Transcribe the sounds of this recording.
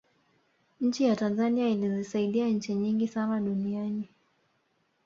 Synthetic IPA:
ɲ̩t͡ʃijatanzaniailizisaiɗiaɲ̩t͡ʃiɲiŋɡisanaɗuniani

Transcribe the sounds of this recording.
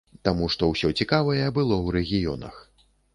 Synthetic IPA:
t̪amuʂt̪ɔwsʲɔt͡sʲikavɐjɛbɨlˠɔwɾɛɣʲijɔnɐ̰x

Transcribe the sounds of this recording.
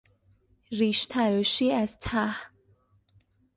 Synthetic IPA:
ɾiːʃt̪ʰæɾɔʃiːæz̥t̪ʰæh

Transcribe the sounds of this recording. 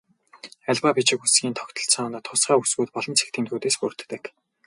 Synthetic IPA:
æɮpapit͡ɕɪ̆kusɡiːnt̪ʰɔkt̪ɞ̆ɬt͡sʰɔnt̪ʰʊsχɢæːusɡuːt̪̚pɔɮɞ̆nt͡sʰe̥kt̪ʰiːmt̪uːt̪eːspur̥t̪ːɘ̆k

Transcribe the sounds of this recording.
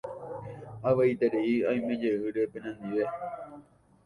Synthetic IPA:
aʋeit̪eɾeiãj̃mẽ̞d͡ʒeɨɾe̞pẽ̞nãnd̪iʋe

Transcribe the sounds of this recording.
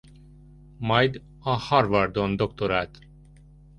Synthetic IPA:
mɒjd̪ | ɒhɒrvɒrd̪ond̪okt̪oɾaːt̪

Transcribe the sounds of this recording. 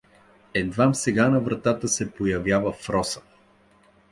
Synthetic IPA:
ɛd̪vamsɛɡanɐvɾɐt̪at̪əsɛpojɐvjavəfɾɔsə̥

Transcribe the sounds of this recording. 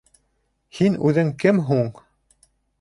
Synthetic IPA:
hinʉðɘŋkɘmɦuɴ

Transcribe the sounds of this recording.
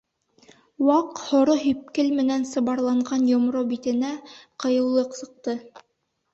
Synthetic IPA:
wɑqhŏɾoɦɵp̚kɘlmɘ̆nænsɤ̆βɑɾlˠɑɴɢɑnjŏmɾobit̪ɘ̆næqɤ̆jɤ̆wlˠɤqsɤ̆q̚t̪ɤ

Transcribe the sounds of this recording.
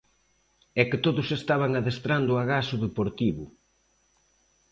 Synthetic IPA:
ɛkɪt̪oðʊsest̪aβ̞aŋaðest̪ɾand̪ʊaɣasʊðepoɾt̪iβʊ̰

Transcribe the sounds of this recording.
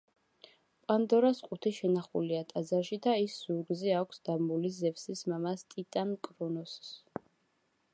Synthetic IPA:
pʼand̪ɔɾasqʼut̪ʰiʃɛnaχṵliat̪ʼazaɾʃid̪aisːuɾɡzɛakʷʰsd̪̥amulizɛfsismamast̪ʼit̪ʼankʼɾɔnɔs

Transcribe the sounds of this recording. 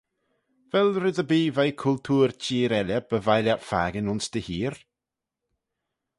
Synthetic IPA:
vɛlɾɪðəbiːvajkʰʊlt̪ʰuːɾt͡ʃʰiːɾɛlʲəb̥əvajljatfa̰ːɡənʊnsd̪̥əhiːɾ

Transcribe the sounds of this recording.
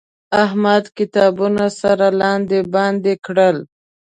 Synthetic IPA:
aɦmad̪kɪt̪ɑbunasaɾalɑnd̪ebɑnd̪ekɽəl

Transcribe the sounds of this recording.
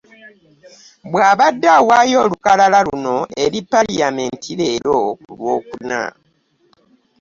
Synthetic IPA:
bwaːβadːawajo̞ːlukalalaluno̞eɾipːalijame̞ntʰile̞ːlo̞ulwo̞ːkuna̰

